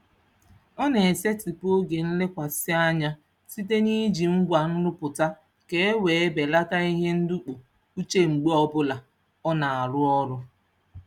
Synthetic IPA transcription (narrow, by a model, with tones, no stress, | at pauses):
ɔ˦ne˨e˨se˦ti˨po˦ɡe˨n̩˦le˦kʷa˨sɪ˦a˦ɲa˦ | si˦t̬e˦ni˦d͡ʒi˨ŋ͡m̩˦ɡʷa˨n̩˦ɾʊ˦pʊ˨ta˦ | ke˦we˨e˦be˨la˦ta˦i˦ɦe˦n̩˦du˦k͡po˨ | u˦t͡ʃe˦ŋ͡m̩˨ɡ͡be˦ɔ˦bʊ˦la˨ | ɔ˦na˨a˨ɾʊ˦ɔ˦ɾʊ˦